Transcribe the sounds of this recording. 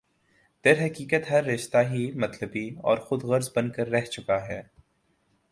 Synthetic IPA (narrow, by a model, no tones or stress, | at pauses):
d̪̥ɐɾɦɐkiːkət̪ɦɐɾːɪʃt̪aɦimɐt̪ləbiɔ̰ːɾxʊd̪ɣɐɾzbɐnkəɾːɛɦt͡ʃʊkaɦɛː